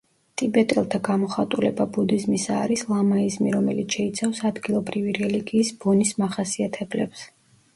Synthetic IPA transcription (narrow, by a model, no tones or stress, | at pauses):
t̪ʼibɛt̪ʼɛlˠt̪ʰaɡamɔχat̪ʼulɛbabud̪izmisaːɾislˠamaizmiɾɔmɛlit̪sʰʃɛit̪sʰafsad̪ɡilˠɔbɾiviɾɛliɡiːsb̥ɔnismaχasiat̪ʰɛblɛps